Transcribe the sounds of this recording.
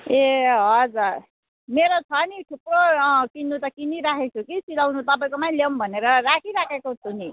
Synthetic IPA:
eɦʌd͡zuɾ | meɾot͡sʰʌniʈʰuprokinːut̪ʌkiniɾakʰet͡sʰukit͡silawnut̪ʌp̬aĩj̃komaj̃lembʱʌneɾʌɾakʰiɾakʰekot͡sʰuni

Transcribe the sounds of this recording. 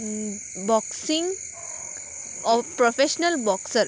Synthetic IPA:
bɔksĩŋɡ | ɔpɾofʰeʃnəlbɔksəɾ

